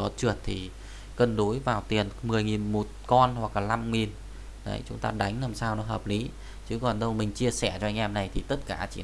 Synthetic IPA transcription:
ɔ˨˦t͡ɕɨ˧˩ət̚t̪ʰi˨˩ | kə˧nɗo˨˦jvaː˨˩wt̪i˨˩ənmɨ˨˩əjŋi˨˩nmo˨˩t̚kɔ˧nhwa˨˩k̚laː˨˩la˧mŋi˨˩n | ɗə̰˨˦jt͡ɕʊ˨˦ŋ͡mt̪aː˧ɗa˨˦jŋ̟naː˨˩msaː˧wnɔ˨˦ɦəː˨˩p̚li˨˦ | t͡ɕɨ˨˦kɔ˨˩nɗə˧wmï˨˩ŋ̟t͡ɕi˧əsɛ˧˩t͡ɕɔ˧ʔjŋ̟ʔɛ˧mna˨˩jt̪ʰi˨˩t̪ə˦˥t̚kaː˧˩t͡ɕḭ˧˩

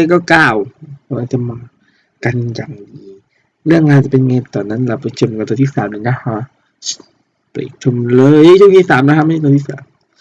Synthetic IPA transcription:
e˧kɔː˧˩kaː˧˩wpʰːwaː˧˩t͡ɕa˧˩maː˧ | ka˧njaː˨˩ŋdiː˨˦ | lɯ˥˩˨əŋka˧˨t͡ɕa˨˧˩pe˧nŋe˧t̪ɔː˨˩nːa˧˥˨nla˧˩pa˧˩t͡ɕʰə˧˩mka˧˩t̪ɔ˧˦t̪ʰiː˧˩saː˨˩˦mi˧˨˦na˧˩hɔ˧˩ | pa̰˨˩t̪ʰo˧˨mlɤː˧˦jt̪ʰu˧˨kʰeː˧˨saː˨˦mla˧˥kʰa˧˥m˧˥˨t̪ːt̪ʰi˧˩˧aː˨˦m

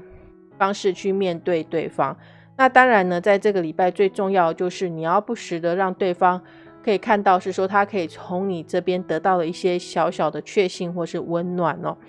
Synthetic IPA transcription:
fɑ˥ŋʂɻ̩˥˧t͡ɕʰy˥˧mjɛ˥˧nt̪we˥˧ɪt̪we˥˩ɪfɑ˥ŋ | na˥˨t̪ɑ˥ŋɻa˧˥nnə˧t͡sa˥˧ɪʈ͡ʂɤ˥˩ɡə˩li˨˩pa˥ɪt͡swe˥˧ɪʈ͡ʂʊ˥˧ŋjɑ˥˩ʊd̪ə˩t͡ɕjo˥˧ʊʂɻ̩˥˩ni˨˩jɑ˥˧ʊpu˥˩ʂɻ̩˧˥d̪ə˧ɻɑ˥˧ŋt̪we˥˩ɪfɑ˥ŋ | kʰɤ˧˥i˨˩kʰa˥˧nt̪ɑ˥˧ʊʂɻ̩˥˩ʂwɔ˥t̪ʰa˥kʰɤ˧˥i˨˩t͡sʰʊ˧˥ŋni˨˩ʈ͡ʂɤ˥˩pjɛ˥nt̪ɤ˧˥t̪ɑ˥˩ʊlə˩i˥˩ɕjɛ˥ɕjɑ˧˥ʊɕjɑ˨˩ʊd̪ə˦t͡ɕʰɥɛ˥˧ɕi˥˧nxwɔ˥˩ʂɻ̩˥˩wə˦˥nnwa˨˩nɔ̰˨˦

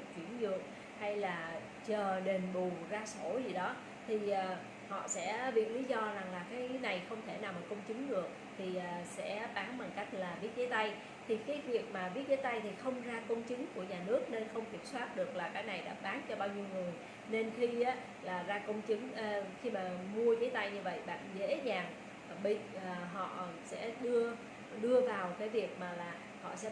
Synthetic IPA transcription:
t͡ɕwḭ˧˩ənzɨ̰˧˨əŋ | ha˧jlaː˨˩ | t͡ɕəː˨˩ɗe˨˩nɓu˨˩zaː˧so˧˩zi˨˩ɗɔ˨˦ | t̪ʰi˨˩ʔəː˨˩ | hɔ̰˧˨sɛ̰˧˥vi˨˩ət̚li˨˦zɔ˧za˨˩ŋlaː˨˩kaː˨˦jna˨˩jxə˧wŋ͡mt̪ʰe˧˩naː˨˩wmaː˨˩kə˧wŋ͡mt͡ɕɨ˨˦ŋɗɨ˨˩ək̚t̪ʰi˨˩ʔaː˨˩sɛ̰˧˥ɓaː˨˦ŋɓa˨˩ŋka˦˥jk̟̚laː˨˩vi˦˥t̚zəː˨˦jt̪a˧j | t̪ʰi˨˩kaː˨˦jvi˨˩ək̚maː˨˩vi˦˥t̚zəː˨˦jt̪a˧jt̪ʰi˨˩xə˧wŋ͡mzaː˧kə˧wŋ͡mt͡ɕɨ˨˦ŋku˧˩əɲaː˨˩nɨ˦˥ək̚ne˧nxə˧wŋ͡mki˨˩əp̚swaː˦˥t̚ɗɨ˨˩ək̚laː˨˩kaː˨˥jna˨˩jɗa̰ː˧˥ɓaː˨˦nt͡ɕɔ˧ɓaː˧wɲi˧əwŋɨ˨˩əj | ne˧nxi˧aː˨˦ | laː˨˩zaː˧kə˧wŋ͡mt͡ɕɨ˨˦ŋʔːxi˧maː˨˩mu˧əzəː˨˦jt̪a˧jɲɨ˧və̰˧˨jɓa̰ː˧˨nzḛ˧˥zaː˨˩ŋ | ɓḭː˧˨˩ɦɔ̰˧˨sɛ̰˧˥ɗɨ˧ə | ɗɨ˧əvaː˨˩wkaː˨˦jvi˨˩ək̚maː˨˩laː˨˩ | hɔ̰˧˨sɛ̰˧˥

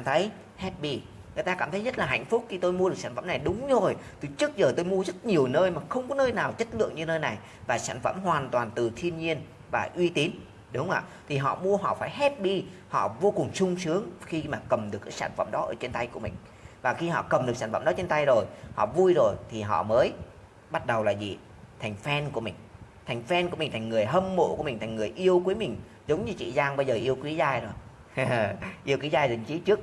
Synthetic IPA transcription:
kaː˧˩mt̪ʰə˨˦j | hɛ˦˥t̚ɓi˧ | ŋɨ˨˩əjt̪aː˧kaː˧˩mt̪ʰə˨˦jzə˦˥t̚laː˨˩ɦa̰˧˨jŋ̟fʊ˦˥k͡p̚xi˧t̪o˧jmu˧ɗɨ˨˩k̚saː˧n˩fə̰˧˥˨na˨˩jɗʊ˨˦ŋ͡mzo˨˩jt̪ɨ˧˦t͡ɕɨ˦˥ək̚zəː˨˩t̪o˧jmu˧əzə˦˥t̚ɲi˨˩əwnəː˧jmaː˨˩xə˧wŋ͡mkɔ˨˦nəː˧jnaː˨˩wt͡ɕə˦˥t̚lɨ̰˧˨əŋɲɨ˧nəː˧jna˨˩j | vaː˨˩sa̰ː˧˩nfə̰˧˩mɦwaː˨˩nt̪waː˨˩nt̪ɨ˨˩t̪ʰi˧ənɲi˧ən | vaː˨˩ʔwi˧t̪i˨˦n | ɗʊ˨˦wŋ͡mʔa̰ː˧˨t̪ʰi˨˩ɦɔ̰˧˨mu˧əɦɔ̰˧˨faː˧˩jɦɛ˦˥p̚ɓi˧hɔ̰˧˨vo˧kʊ˨˩ŋ͡msʊ˧ŋ͡msɨ˨˦əŋxi˧maː˨˩kə˨˩mɗɨ˨˩kːaː˨˦sa̰ː˧˩nfə̰˧˨mɗɔ˨˦ʔəː˧˩t͡ɕe˧nt̪a˧jku˧˩əmï˨˩ŋ̟ | vaː˨˩xi˧hɔ̰˧˨kə˨˩mɗk̚saː˧˩nfə̰˧˨ɗɔ˨˦t͡ɕe˧nt̪a˧jzo˨˩jhɔ̰˧˨vu˧jzo˨˩jt̪ʰi˨˩ɦɔ̰˧˨məː˨˦j | ɓa˦˥t̚ɗə˨˩wlaː˨˩zḭ˨˩ | t̪ʰa˨˩jŋ̟fɛ˧nku˧˩əmï˨˩ŋ̟t̪ʰa˨˩jŋ̟fɛ˧nku˧˩mï˨˩ŋ̟t̪ʰa˨˩ŋ̟ŋɨ˨˩əjɦə˧mmo̰˧˨ku˧˩əmï˨˩ŋ̟t̪ʰa˨˩ŋ̟ŋɨ˨˩əjʔi˧əwkwi˨˦jmï˨˩ŋ̟ | zə˨˦wŋ͡mɲɨ˧t͡ɕḭ˧˨zaː˧ŋɓə˧jzəː˨˩ʔi˧əwkwi˨˦zaː˧jzo˨˩j | ʔi˧əwkwi˨˦zaː˧jzi˨˩ŋ̟t͡ɕi˨˦t͡ɕɨ˦˥ək̚

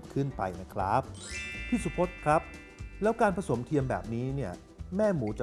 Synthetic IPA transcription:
p̚kʰɯ˥˩npa̰˧jna˦˥kʰɾa̰˦˥˩p̚t̪ʰiː˥˩su˨˧˦pʰo˦˥t̪̚kʰɾa˦˥p̚ | lɛː˦˥wkaː˧npʰa˧so˩˦mt̪ʰi˧əmbɛ̰ː˨˩p̚niː˦˥ni˥˩ɐ | mɛː˥˩muː˩˦t͡ɕa˨˩

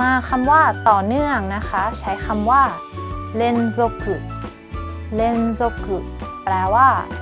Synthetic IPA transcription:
maː˧kʰa˧mwaː˥˩t̪ɔː˨˩nɯ˥˩əŋna˦˥kʰa˦˥t͡ɕʰa˦˥jkʰa˧mwaː˥˩ | le˧nso˧kːɯ˨˩ʔ | le˧nso˧kɯ˨˩ʔpɾɛː˧waː˥˩

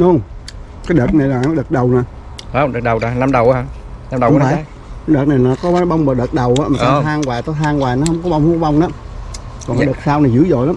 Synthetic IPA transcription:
lu˧əŋ | kaː˨˦jɗəː˨˩t̚na˨˩jlaː˨˩nɔ˨˦ɗəː˨˩t̚ɗə˨˩wnaː˨˩ | a˨˧˩ɗəː˨˩t̚ɗə˨˩wa˨˩na˧mɗə˨˩wʔna˧mɗə˨˦aː˨˦˨ | kaː˨˦jɗəː˨˩t̚na˨˩jnaː˨kɔ˨˦˨ɓa˧wŋ͡mɓaː˨˩ɗəː˨˩t̚ɗə˨˩wʔaː˨˦maː˨˩˧t̪ʰaː˧ŋkwaː˨˩t̪ɔ˨˦t̪ʰaː˧ŋwaː˨˩nɔ˨˦ɦə˧wŋ͡mkɔ˨˦ɓa˧wŋ͡mhu˨˦ɓa˧wŋ͡mna˨˦ | kɔ˨˩ŋ˨˦ɗəː˨˩t̚saː˧wna˨˩zɨ̰˧˥əzo̰˧˨jlaː˨˦m

